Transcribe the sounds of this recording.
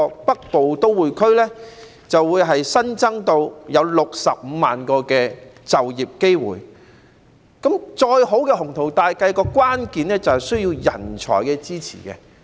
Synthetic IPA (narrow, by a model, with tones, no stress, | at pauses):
ɔ˧pɐ˥k̚po˨wt̪o˥wwuː˨jkʰɵ˥ɥlɛː˥ | t͡sɐ˨wːuː˨˧jɦɐ˨jsɐ˥nt͡sɐ˥ŋt̪o˧wjɐ˨˧wlʊ˨k̚sɐ̰˨p̚m̩˨˧maː˨nkɔː˧kɛː˧t͡sɐ˨wjiː˨p̚ke˥jwṵː˨˩j | kɐ˨˥mt͡ʃɔː˧jɦo˨˥wkɛː˧hʊ˨˩ŋt̪ʰo˨˩wt̪aː˨jkɐ˧jkɔː˧kwaː˥nkiː˨nlɛː˥t͡sɐ˨whɐ˨˩jsɵ˥ɥjiː˧wjɐ̰˨˩nt͡ʃʰɔ̰ː˨˩jkɛː˧t͡siː˥t͡sʰḭː˨˩kɛ̰˧